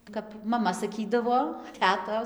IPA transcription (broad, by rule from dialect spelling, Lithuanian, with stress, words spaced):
kɐp mɐˈmɐ sɐˈkʲiːdɐʋoː ˈtʲæːtoːs